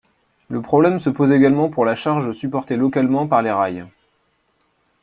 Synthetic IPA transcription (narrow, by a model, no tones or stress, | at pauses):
ləpχɔblɛmsəpozeɡalmɑ̃puʁlaʃaʁʒəsypɔʁt̪elɔkalmɑ̃paʁleʁaj